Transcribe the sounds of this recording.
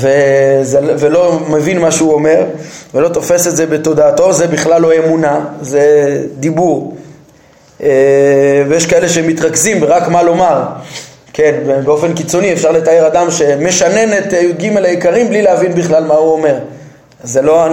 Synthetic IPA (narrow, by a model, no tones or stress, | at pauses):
vezevelo̞mevinmaʃeuome̞ʁvelo̞t̪o̞fe̞set̪zebet̪o̞d̪aːt̪o̞zebiχlalːo̞emunazed̪ibuʁ | evejeʃkae̞leʃemit̪ʁakzimbeʁakmalo̞maʁ | kenbebeo̞fe̞nkit͡so̞niefʃaʁle̞t̪aeʁad̪amʃe̞me̞ʃane̞net̪oɡimelajikaʁimblileavinbiχlalmauome̞ʁ | zelo̞a